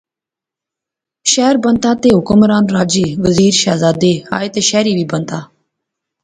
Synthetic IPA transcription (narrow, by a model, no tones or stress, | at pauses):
ʃɛːɾbənt̪aːt̪eːɦʊkəmɾaːnɾaːd͡ʒiːʋəziːɾʃaːzaːd̪eːa̰ːet̪eːʃɛːɾiːʋiːbənt̪aː